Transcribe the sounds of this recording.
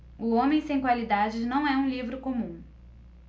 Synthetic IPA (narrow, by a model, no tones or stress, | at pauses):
ʊõmẽj̃sẽj̃kwalid̪ad͡ʒɪnɐ̃w̃ɛũlivɾʊkomũ